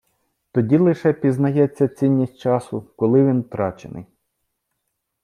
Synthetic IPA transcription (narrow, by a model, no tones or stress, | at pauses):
t̪ɔdʲilˠɪʃɛpʲiznɐjɛt͡sʲːɐt͡sʲinʲːisʲt͡ʃɑsʊkɔlˠɪʋʲint̪ɾɑt͡ʃḛnʔɪ̰j